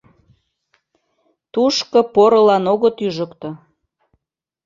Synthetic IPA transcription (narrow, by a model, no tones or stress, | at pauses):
t̪uʃkɤpoɾəlɑnoɣət̪yʒə̆kt̪ɤ̆